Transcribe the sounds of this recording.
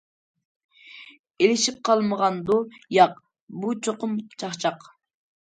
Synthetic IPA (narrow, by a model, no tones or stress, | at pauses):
elɪʃip̚qʰɑlˠməʁɑnd̪ʊjɑq | but͡ʃʰoqʊmt͡ʃʰɑχt͡ʃʰɑq